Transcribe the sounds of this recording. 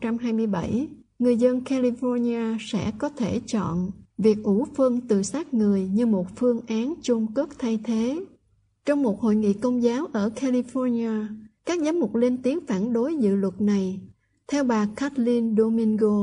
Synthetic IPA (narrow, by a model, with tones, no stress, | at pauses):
t͡ɕa˧mɦaː˧jmɨ˧əjɓə˧˩j | ŋɨ˨˩əjzə˧nkaː˧li˧fɔ˧ni˧aː˧sɛ̰˧˥kɔ˨˦t̪ʰe˧˩t͡ɕɔ̰˧˨nvi˨˩ək̚ʔu˧˩fə˧nt̪ɨ˨˩saː˦˥k̚ŋɨ˨˩əjɲɨ˧mo˨˩t̚fɨ˧əŋʔaː˨˦nt͡ɕʊ˧ŋ͡mkɨ˦˥ək̚t̪ʰa˧jt̪ʰe˨˦ | t͡ɕɔ˧wŋ͡mmo˨˩t̚ho̰˧˨jŋḭ˧˨kə˧wŋ͡mzaː˨˦wʔəː˧˩ka˧li˧fɔ˧ni˧aː˧kaː˦˥k̚zaː˨˦mzʊ˨˩k͡p̚le˧nt̪i˨˦əŋfaː˧˩nɗo˨˦jzɨ̰˧˨lwə˨˩t̚na˨˩j | t̪ʰɛ˧wɓaː˨˩ka˦˥t̚li˧nɗo˧mi˧ŋɣo˧